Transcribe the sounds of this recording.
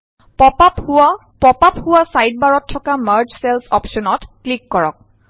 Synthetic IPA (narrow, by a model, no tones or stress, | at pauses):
pɔpapa | pɔpaphʊwasajd̚baɹɔtʰːɔkaməɹd͡ʒsɛlsɔpʃɔnɔtklikːɔɹɔ̰k̚